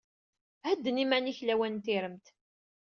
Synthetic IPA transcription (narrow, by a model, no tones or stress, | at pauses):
hæd̪ːənimæniçlæwænt̪ɪɾəmt̪